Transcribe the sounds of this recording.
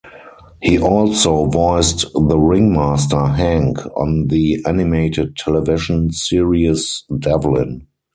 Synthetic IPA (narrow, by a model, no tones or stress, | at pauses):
hiːʔɔlsoʊvɔɪstðəɹɪ̃ŋmastə˞ɦæ̃ŋkʰɔ̰̃nðiʔænɪmeɪtɪd̚tʰɛlɛvɪʃə̃nsiɹiəsdɛvlɪ̰̃n